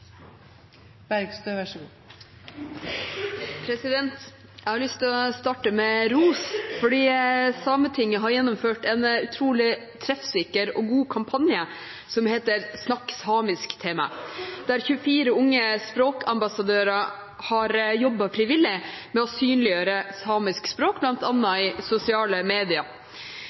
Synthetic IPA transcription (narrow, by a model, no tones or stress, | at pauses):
b̥æɾɡst̪øːʋæʂɡuː | pʰɾɛsɪd̪ɛnt̪ | jæɪhɑɾɭʏst̪ɔst̪ɑːʈəmɛɾuːsfɔɖiːsɑːmət̪ʰɪŋːəɦɑɾjɛnːʊmføːʈɛnʉt̪ʰɾuːlɪ | t̪ʰɾɛfsɪkəɾɔɡuːkʰɑmpʰɑnjə | sɔmheːt̪əɾsnɑksɑːmɪskt̪ʰeːmɑ̰d̪̥æɾçʉəfiːɾəʊŋːəspɾoːkʰɑmbɑsɑd̪øːɾɑ | hɑɾjɔbːɑfɾɪʋɪlːɪ | mɛɔsyːnlɪjøːɾəsɑːmɪskspɾoːkblɑnt̪ɑnːɑɪsʊsɪɑːləmeːd̪ɪɑ